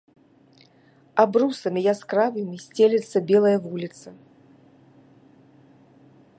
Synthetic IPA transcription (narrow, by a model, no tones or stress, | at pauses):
abrusɐmʲijaskɾavɨmʲisʲt͡sʲelʲɛt̪sːɐbʲɛlˠɐjɐvulʲit̪sɐ